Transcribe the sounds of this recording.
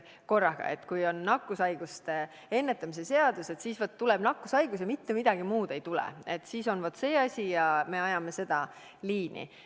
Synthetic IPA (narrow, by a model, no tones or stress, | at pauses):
ko̞rːɑɡ̥ɑ̰e̞̰t̪ːˑkujo̞nːɑkːˑusɑjɡ̥ust̪e̞ | enːet̪ːˑɑmisese̞ɑd̪̥use̞t̪siːsvot̪ːuleb̥nɑkːˑusɑjɡ̥us̬jɑmit̪ːe̞mid̪̥ɑɡ̥imuːd̪̥e̞jt̪ulɛ̰e̞t̪ːsiso̞nvot̪se̞ːɑsʲijɑme̞ɑjɑme̞se̞d̪̥ɑ | liːnḭ